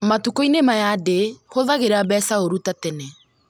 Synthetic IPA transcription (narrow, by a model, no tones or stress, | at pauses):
matukoinemajadehoðaɣeɾaβɛːsaoɾutatɛnɛ